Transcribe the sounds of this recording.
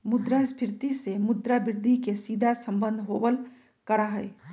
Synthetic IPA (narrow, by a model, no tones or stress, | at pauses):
mʊd̪ɾaspʰɪɾt̪isemʊd̪ɾabɪɾd̪ʱikesiːd̪ʱasə̃mbə̃nd̪ʱɦobəl | kəɾaɦɛe